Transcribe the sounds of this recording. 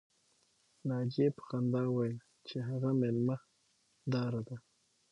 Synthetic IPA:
nɑd͡ʒepə̥xand̪ɑwajl | t͡ʃeɦaɣamelma | d̪ɑɾad̪a

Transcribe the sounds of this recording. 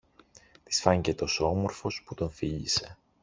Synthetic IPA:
t̪i̥sfɐɲce̞t̪o̞soo̞mo̞ɾfo̞sput̪o̞nfiʎise̞

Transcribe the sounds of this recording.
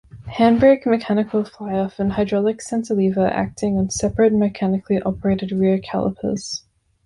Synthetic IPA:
hæ̃nbekmɨkʰænɨkʰl̩ˠflaɪɔfɨ̃nɦaɪdɹɔlˠɨksɛ̃ntəlivəʔæ̰k̚tʰɪ̃ŋə̃nsɛpɹɨt̚mɨkʰænɨkʰliʔɑpə˞eɪɾɨd̚ɹɪɹkʰæ̰lˠə̰pʰə̰z̥

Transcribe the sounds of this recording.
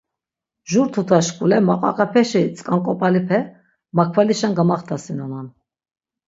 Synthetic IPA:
ʒuɾt̪ʰut̪ʰaʃkʼulɛmaqʼa̰qʼɛpʰɛʃɛt͡sʼkʼaŋkʼɔpʼalipʰɛ | makʰvaliʃanɡamaχt̪ʰasinɔnan

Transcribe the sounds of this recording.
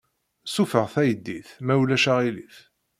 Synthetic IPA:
sufəʁθæjəd̪ːiθmæwlæʃaʁiliθ

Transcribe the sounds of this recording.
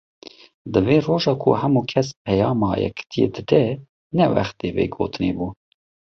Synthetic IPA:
d̪ɨveːroːʒɑːkʰo̰hɛmuːkʰɛspʰɛjɑːmɑ̰ːjɛ̰kt̪ʰijḛːd̪ɨd̪ɛ | nɛwæ̰xt̪eːvḛːɡo̰ːt̪ɨneːbuː

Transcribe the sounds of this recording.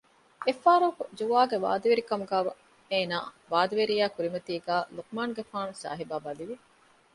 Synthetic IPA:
efaːɾɐkud͡ʒuʋaːɡeʋa̰ːd̪ɐʋeɾikɐmuɡæːʋɐ | eːnaː | ʋaːd̪ɐʋeɾijæːkuɾimɐt̪iːɡæːluk̚maːnɡefaːnusa̰ːɦibaːbɐliʋi

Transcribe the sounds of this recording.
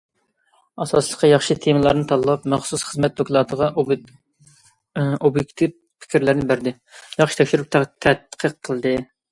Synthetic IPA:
ɑsɑslˠəqːɑjɑχʃit̪ʰemɨlˠɑɾnɨt̪ʰɑlˠːɑpmɛχsusχəzmɛt̪̚d̪okʲlˠɑːt̪ʰəʁɑ | objekʲt̪ʰiv | pʰɪ̥kʲʰiɾlæɾnɪbæɾd̪ɪ | jɑχʃi̥t̪ʰɛkʲʃyɾup̪̚t̪ʰɛt̪qʰəqʰːəlˠd̪ɨ

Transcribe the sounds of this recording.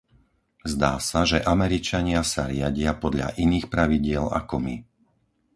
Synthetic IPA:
zd̪aːsaʒɛʔamɛɾit͡ʃaɲɪasaɾɪaɟɪapɔd̪ʎa̰ʔiniːxpɾaʋiɟɪɛla̰kɔmi

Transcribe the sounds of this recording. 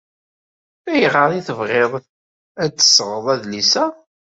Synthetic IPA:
æjəʁəɾˤiθəvʁeðˤ | æt͡sːə̥sːʁəðˤæðlisæ

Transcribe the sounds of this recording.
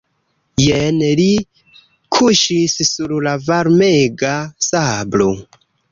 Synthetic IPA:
jenli | kʰuʃissuɾlavaɾmeɡasablo

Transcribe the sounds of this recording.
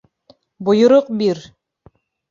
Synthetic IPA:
bŏjŏɾoq̚biɾ

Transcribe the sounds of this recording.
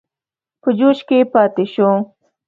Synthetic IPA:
pəd͡ʒoʃkepɑːt̪ɪʃõ

